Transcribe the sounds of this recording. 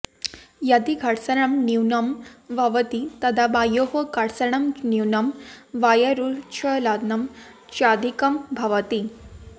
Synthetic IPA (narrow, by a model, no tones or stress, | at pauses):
jɐd̪iɡʱɐɽsɐɳɐmniwnɐmʋʱɐʋɐt̪it̪ɐd̪ʱabajoɦɐkɐɽsɐɳɐmniwnɐmʋajɐɾut͡ʃʰɐlad̪nɐm | t͡ʃad̪ʱikɐmbʱɐʋɐt̪i